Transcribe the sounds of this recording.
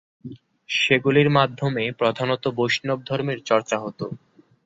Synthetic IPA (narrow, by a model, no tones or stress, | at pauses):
ʃeɡuliɾmad̪ʱːomepɾod̪ʱanot̪oboʃnob̚d̪ʱɔɾmiɾt͡ɕɔɾt͡ɕaɦot̪o̰